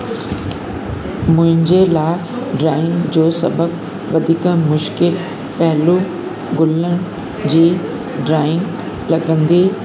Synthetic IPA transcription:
mʊ̃ɦɪ̃ɲd͡ʑelaːɪ | ɖɾaːɪ̃ŋɡd͡ʑoːsɐ̰bək | ʋɐd̪ʱiːkmʊʃkɪl | pɐɦɪlu | ɡʊləɽ̃ɪ̆ | d͡ʑiː | ɖɾaːɪ̃ŋɡ | lɐɠə̃nd̪iː

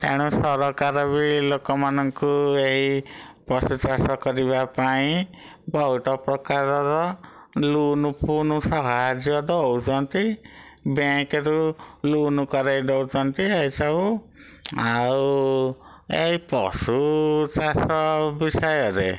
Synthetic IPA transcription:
t̪ḛɽ̃usɔɾɔkaɾɔβilokɔmanɔŋkueɦipɔsut͡ʃasɔkɔɾibapaĩ | bɔɦuʈɔpɾɔkaɾɔɾɔ | lunupunusɔɦad͡ʒjɔd̪ɔwt͡ʃʰɔnt̪i | bẽkeɾulunukɔɾajɖɔwt͡ʃɔnt̪iajt͡ʃau | aw | eɦipɔsut͡ʃasɔbisɔjɔɾḛ

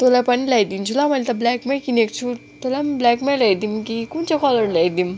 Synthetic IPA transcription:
t̪olapɐnilajd̪int͡ʃʰulamɐlt̪ɐblɛkmakinek̚t͡sʰut̪olamblɛkmalajd̪imkikunt͡sʰakɔlɔɾlajd̪im

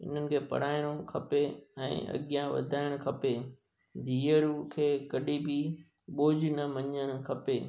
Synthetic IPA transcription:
ɪ̰n̤ənɪ̆kʰeːpɐ̰ɽ̤aːɪɽ̃okʰɐpeɛ̰̃ːɐ̰ɠijãʋɐ̰d̪ʱaːɪɽ̃kʰɐpe | d̪ʱiːəɾkʰeːkɐɗibɪ | ɓoːd͡ʑnɐmɐɲəɽ̃kʰɐpeː

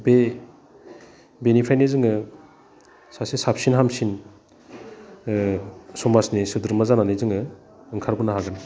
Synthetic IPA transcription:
be | benipʰajnezɯŋɯ | sasesap̚sinɦamsin | sɔmasnisɯd̪uɾmazananezɯŋɯ | ɯŋkʰaɾbunaɦaɡɯn

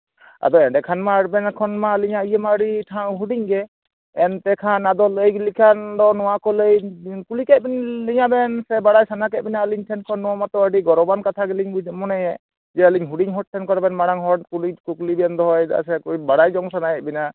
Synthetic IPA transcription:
a̰d̪ɔɛɖɛkʰanmaɽbɛnakʰɔnmaliɲaijəmaɾiʈʰaɦuɖiɲɡɛ | ɛnt̪ɛkʰanad̪ɔləjɡlikʰand̪ɔnɔwakɔləjkulikɛt̪̚bɛnliɲabɛnsɛbaɽajsanakɛʔ̚binaəliɲʈʰɛnkʰɔnːɔwamat̪ɔəɖiɡɔɾɔbankat̪ʰaɡɛliɲbud͡ʒmɔnɛjɛ | d͡ʒɛəliɲɦuɽiɲɦɔʈ̚ʈʰːɛnkɔɾabɛnmaɽaŋɦɔkulikuklibɛnd̪ɔɦɔjd̪a̰ʔsɛkubaɽajd͡ʒɔŋsanakɛʔ̚bina

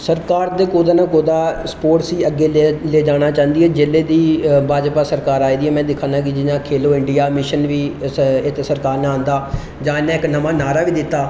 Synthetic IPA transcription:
səɾkaːɾd̪eːkoːd̪aːnãːkoːd̪aːspoːʈsiːəɡːeːleːd͡ʒaːɽ̃aːt͡ʃãːnd̪iːɦɛːd͡ʒeːleːd̪iːbʱaːd͡ʒpaːsəɾkaːɾaːiːd̪iːɛːmɛ̃ːd̪ɪkʰːãːnd̪ãːk̬ɪd͡ʒɪnãːkʰeːloːɪɳɖijaːmɪʃənʋiːɪt̪esəɾkaːɾnaːãːnd̪aː | d͡ʒãːɪnːɛ̃ːɪknəmaːnaːɾaːʋiːd̪ɪt̪ːaː

